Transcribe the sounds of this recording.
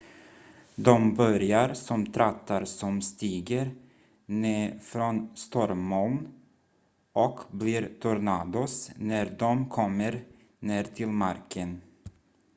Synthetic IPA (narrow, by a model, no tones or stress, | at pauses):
d̪ɔmbœɾjaɾsɔmt̪ʰɾat̪ʰːaɾsɔmst̪iːɡəɾ | neːfɾɔnst̪ɔɾmːɔln | ʔɔkbliːɾt̪ʰuɾnad̪osnæɾd̪ɔmkʰɔmːəɾ | neːɾt̪ʰɪlmaɾkʰən